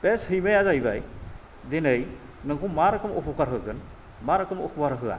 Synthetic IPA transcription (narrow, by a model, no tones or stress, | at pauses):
beshɯjmejazajbaj | denɯj | nɯŋkʰumaɾɯkʰɯmɔpʰukaɾɦɯɡɯn | maɾɯkɯmɔ̰pʰubaɾɦɯa̰